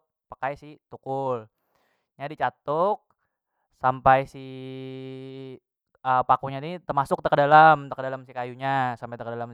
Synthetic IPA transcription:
pakajsɪt̪ukʊl | ɲadit͡ʃat̪ɔk̚ | sampajsi | əpakuɲanit̪ərmasʊk̚t̪əkədalamt̪əkədalamsikajuɲasampajt̪əkədalam

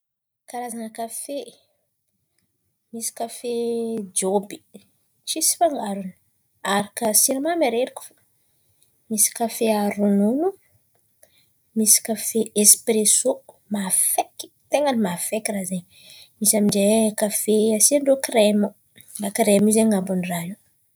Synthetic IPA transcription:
kaɾazanəkafe | misi̥kafed͡ʒobi̥ | t͡ʃisi̥faŋɡaɾuni̥ | aɾikəsiɾimamaɾeɾikʲu̥fḁ | misi̥kafeaɾununu | misi̥kafeʔespɾeso | mafeki̥t̪eŋanimafekirazeɲ | misamind͡ʒekafeasiɳɖ͡ʐokremu | lakɾemizeŋabunraɦi

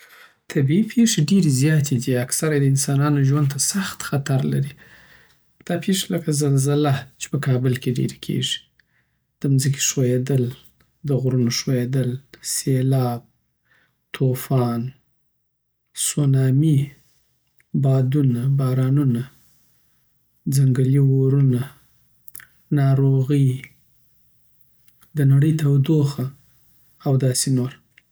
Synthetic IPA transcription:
t̪ʰabiipʰeʂeɖeɾezjɑt̪ʰed̪iaksaɾajd̪əɪnsɑnɑnoʒwand̪̚t̪asaxt̪xat̪aɾlaɾi | d̪̥ɑpʰeʂeləkazalzalat͡ʃe̥pəkʰɑbɪlkeɖḛɾekʰḛʒi̥ | d̪̥əmzəki̥ʃwojed̪əl | d̪əɣɾunoʂwojed̪əlselɑb̚ | t̪ʰofɑn | sonɑmi | bɑd̪unabɑɾɑnuna | d͡zaŋɡəliwoɾuna | nɑɾoɣəj | d̪ənaɽəjt̪awd̪oxaː | wd̪ɑsenoɾ

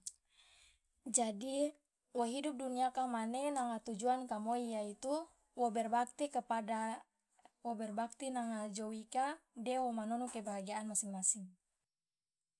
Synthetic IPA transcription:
d͡ʒadi | wɔɦidup̚duniakamanenaŋat̪ud͡ʒuankamoijait̪u | wobɛrbak̚t̪ikəpada | wobɛrbak̚t̪inaŋad͡ʒowikadɛwomanɔnukebaɦaɡiaːnmasiŋmasiŋ

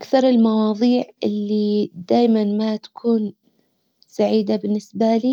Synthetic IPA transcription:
ʔakθɑɾˤɪlmɑwɑːðˤiːʕʔɪlːid̪aːjmanmat̪ḁkʰuːn | saʕiːd̪abɪnːɪsbaliː

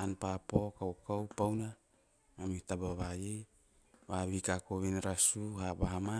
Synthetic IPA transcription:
anpapokawkawpawna | mamit̪abaβaje | βaβikakoβenɾasuɦabaɦama

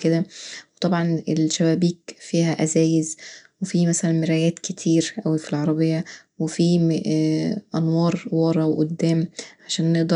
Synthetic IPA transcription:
ked̪æwet̪ˤɑbʕɑnelʃæwæːbiːkfiːɦæʔæzæːjezwefiːmæsælænmɪɾæjæːt̪ket̪ʰiːɾʔæwifilʕɑɾˤɑbejːæ | wefiː | ʔænwɑːɾˤwɑɾˤɑweʔod̪ːæːmʕaʃæːnːeʔd̪ɑ

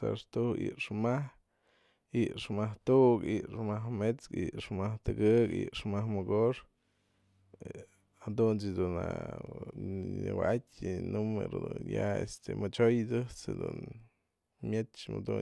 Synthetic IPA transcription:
sa̰ʂt̪uhḭʔʂmah | iʔʂmaht̪uʔkiʔʂmaɦmet͡skiʔʂmaht̪ɨɡɨkḭʔʂmahmɨɡoʂ | had̪unt͡ʃid̪una | ɲɨwaatʲnumeɾod̪unjaḛst̪emɨt͡ʃojd̪ɨt͡sed̪ṵn | mʲet͡ʃma̰d̪u

